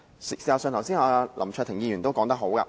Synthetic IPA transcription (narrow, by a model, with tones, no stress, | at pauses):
ssiː˨˩ha˨˩sœː˨˧nʰɐ˨˩wsiː˥naː˨˧lʔɐ̰˨˩mt͡ʃʰœː˥˧t̪ʰɪ˨˩jiː˧ɥyː˨˩nt̪o˥wkɔː˨˧˥ŋt̪ɐ˥k̚ɦo˨˥wkɐ̰˧